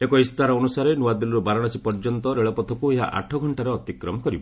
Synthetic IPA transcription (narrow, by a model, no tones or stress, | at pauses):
ekɔist̪aɾɔːnusaɾenuad̪iluɾubaɾɔɽ̃asipɔɾd͡ʒɔnt̪ɔɾeɭɔpɔt̪ʰɔkueɦa̰ʔa̰ʈʰɔɡʱɔɳʈaɾeɔt̪ikɾɔmɔkɔɾibɔ